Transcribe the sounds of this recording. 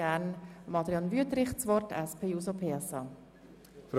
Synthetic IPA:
ænmɑd̪ɾjɑnvyət̪ɾɪχt͡sʋɔtɛspʰeːjuːsopʰeːɛsɑː | f

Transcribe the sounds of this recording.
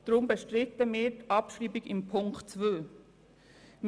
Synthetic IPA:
d̥ɾʊmbəʃtɾɪtəmɪːɾtʔɑpʃriːbiɡɪmpʰʊŋktt͡svøː | m

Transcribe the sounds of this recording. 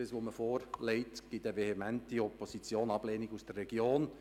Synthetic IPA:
əsʋoməfoːɾlɛɪtɡ̥ɪtəʋehemæntiɔposit͡sjoːnɑb̥leːniɡusd̥ərːɛɡjoːn

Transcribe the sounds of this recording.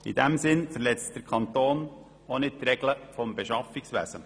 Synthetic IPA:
ḭd̥ɛmsɪnfəɾlɛt͡st̚d̥əɾkʰɑnt̪oːn | onɪt̪ɾɛɡləfɔmbeʃɑfɪksʋæ̰z̥ə

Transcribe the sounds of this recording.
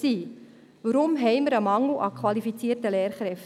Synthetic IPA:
iː | ʋəɾʊmɦɛɪməɾəmɑŋl̩ʔɑkʰwɑlifit͡siəɾtəlɛːɾχɾɛf

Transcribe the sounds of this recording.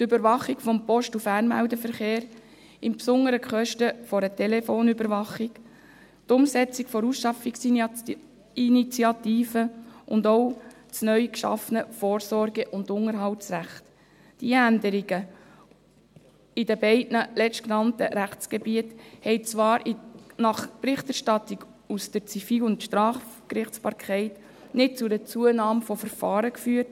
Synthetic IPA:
tʏbəɾvɑχikfɔmpɔʃtufæːrnmæ̰ʊdəfəɾχeːɾ | ɪmpsʊnəɾəkχœʃtəfɔɾətɛlefoːnybəɾʋɑχik | tʊmsɛt͡sɪkfɔɾusʃɑfiks | init͡siɑt̪iːfəʔʊndɔʊ | t͡snœʏkʃɑ̰fənəfoːɾsɔɾɡəʔʊndʊŋəɾɦɑltsræχt | d̥iændəɾɪɡ̥ə | idəbɛɪdnəlɛstknɑntəɾæχt͡sɡ̥ebiəthɛɪt͡svɑːɾinɑχpɾɪχtæɾʃtɑtːɪɡ | usd̥əɾt͡sifiːlʊntʃtɾɑːfkɾɪχt͡sb̥ɑːɾkʰχɛɪt | nɪt̚t͡sʊdət͡suənɑːmfɔfəɾfɑːɾəkfyːəɾt

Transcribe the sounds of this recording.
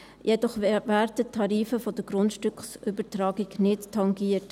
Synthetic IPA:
jʔɛdɔχvæːɾdətʰɑɾiːfəfɔd̥əɡɾʊntʃtʏkχsʔʏbətɾɑːɡiɡnɪttʰːɑŋɡiːət

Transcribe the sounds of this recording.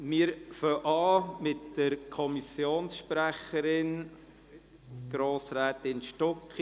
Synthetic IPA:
mɪːəɾfœʔɑːmɪtd̥əɾkʰɔmisjoːnsʃpɾæχəɾɪn | ɡ̥ɾoːsɾæːt̪ɪnʃtɔkχ

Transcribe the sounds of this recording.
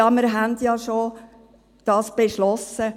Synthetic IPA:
ɑməɾɦænd̪jɑːʃo | d̪̥ɑːsb̥eʃlɔsə

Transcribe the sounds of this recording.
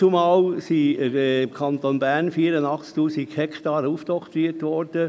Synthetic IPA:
t͡sumɑːlsiɪmkʰɑnt̪onbæːɾnfiːəɾəndɑχt͡sk̚tuːsikhɛkt̪ɑːɾəuft̪ɔkt̪ɾiːətʋɔɾd̥ə

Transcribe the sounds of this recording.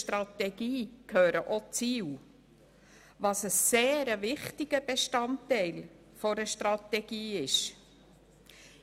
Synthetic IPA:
ʃtɾɑtɛɡ̥iːkʰøːɾəʔot͡siːw | vɑsəːeːɾəvɪχtɪɡ̥əb̥eʃtɑntːɛɪl | fɔɾəʃtɾɑtɛɡ̥iːɪʃ

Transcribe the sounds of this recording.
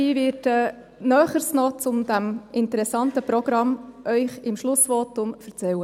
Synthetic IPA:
iːʋɪtə | nœːχəɾsnɔt͡sʊmd̪æmʔɪntəɾɛsɑntəpɾɔɡɾɑmʔœʏχɪmʃlʊsʋɔːtʊmfəɾt͡sɛwə

